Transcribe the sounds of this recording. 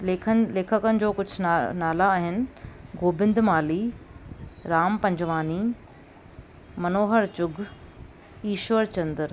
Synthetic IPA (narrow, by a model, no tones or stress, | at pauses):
eːkʰleːkʰəkənɪ̆d͡ʑoːkʊd͡ʑʱʊnaːlaːɦɪnɪ̆ɡoːbɪ̃nd̪maːliː | ɾaːmpɐ̃ɲd͡ʑʋaːni | mɐnoːɦəɾt͡ɕʊɡʱ | iːʃʋəɾt͡ɕɐ̃nd̪əɾ